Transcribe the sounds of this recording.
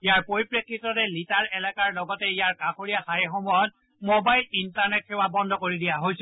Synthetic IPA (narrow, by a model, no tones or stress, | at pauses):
ijaɹpoɹjpɹekʰːitɔɹɛlitaɹɛlɛkaɹlɔɡɔtɛijaɹkaxoɹijasajɛxɔmɔjɔt̚ | mobajlintaɹnet̚kʰɛwabɔndʱɔkoɹidijaɦojsɛ